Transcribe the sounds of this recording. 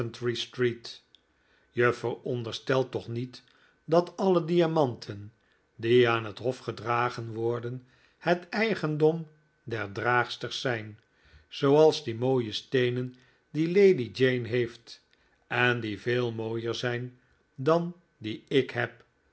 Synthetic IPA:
əntɹistrit | jəfəɹɔndəɹstɛlˠtɔχnit | dɑtɑlədiamɑntʰən | diaːnɦətɦɔfχədraːχənʋɔɹdən | hətɛjχəndɔm | dɛɹdraːχstəχsɛjn | z̥owɑlˠzdimoːjəstejnən | dilejdid͡ʒejnɦejft | ɛndivɪːlˠmoːjəɹzɛjn | dɑn | diɪkɦɛp̚

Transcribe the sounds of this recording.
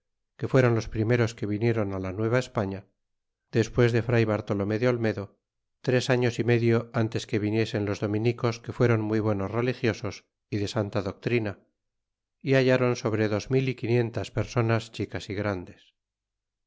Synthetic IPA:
ke̞fwe̞ɾo̞nlo̞spɾime̞ɾoske̞βinje̞ɾo̞nalanwe̞β̞aespaɲa | ð̥e̞spwe̞zðe̞fɾajβaɾt̪o̞lome̞ðeo̞lme̞ðo̞ | t̪ɾe̞saɲo̞sime̞ðjo̞ant̪e̞ske̞βinje̞se̞nlo̞zðo̞mĩniko̞ske̞fwe̞ɾo̞nmujβ̞weno̞zre̞lixjo̞so̞s | iðe̞sant̪aðo̞k̚t̪ɾina | iaʝaɾo̞nso̞βɾe̞ðo̞zmilikinje̞nt̪aspe̞ɾso̞nast͡ʃikasiɣɾand̪e̞s

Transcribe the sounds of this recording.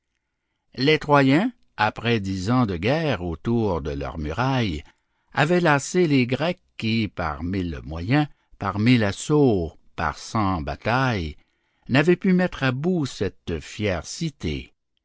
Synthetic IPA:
let̪ʁwajɛ̃ | apʁɛd̪izɑ̃d̪əɡʲɛːʁot̪uʁd̪əlœ̰ʁmyʁaj | a̰vɛlaseleɡʁɛkːipa̰ʁmilmwajɛ̃ | paʁmilaso | pa̰ʁsɑ̃ba̰t̪aj | navɛpymɛt̪χabusɛt̪fjɛːʁsit̪ḛ

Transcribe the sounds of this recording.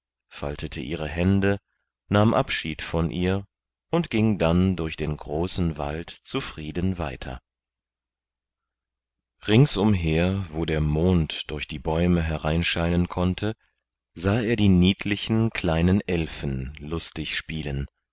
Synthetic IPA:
fa̰ltʰətʰəʔiːʁ̞əɦɛndə | naːmʔapʃiːtfɔnʔiːɐ | ʔʊntɡ̥ɪŋdandʊɐçd̥eːnɡʁoːsn̩va̰ltt͡sufʁ̥iːdənva̰ɪtʰɐ̰ | ʁɪŋsʔʊmɦeːɐvoːdeːɐmoːntd̥ʊɐçd̥iːbɔʏməɦɛʁaɪnʃaɪnənkʰɔntʰə | zaːeːɐdiːniːtʰlɪçn̩kʰl̥aɪnənʔɛlfn̩lʊstɪçʃpiːlən

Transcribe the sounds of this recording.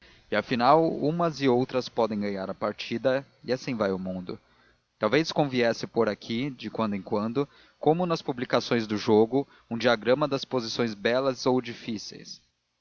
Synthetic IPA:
ɪafinawũmɐzɪowt̪ɾɐspɔd̪ẽj̃ɡɐ̃ɲaɾɐpaɾt͡ʃid̪ɐ | ɪasĩvajʊmũnd̪ʊ̰ | t̪awveskõviɛsɪpoɾakʰid͡ʒɪkwɐ̃nd̪ʊẽŋkwɐ̃nd̪ʊ | kõmʊnɐspublikasõj̃zd̪ʊʒoɡʊ | ũd͡ʒiaɡɾɐ̃mɐd̪ɐspozisõj̃zbɛlɐzowd͡ʒifisḛjs

